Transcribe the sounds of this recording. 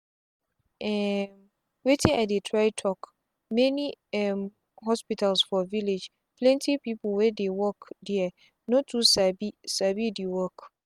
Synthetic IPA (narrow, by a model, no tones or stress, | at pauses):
ʔɛ̃m | wetʰĩaɪdetʰɹaɪtʰɔk | mɛ̃nĩɛm | ɦɔspitʰalsfɔviled͡ʒ | pʰlɛ̃ntʰipipʰwɛdewɔkdiɛ | nõtʰusabisabidiwɔk